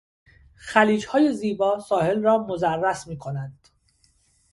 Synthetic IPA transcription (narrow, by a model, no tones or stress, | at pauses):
xæliːd͡ʒhɒːje̞ziːbɒːsɒːhe̞lrɒːmozærːæsmiːkʰo̞nænd̪̥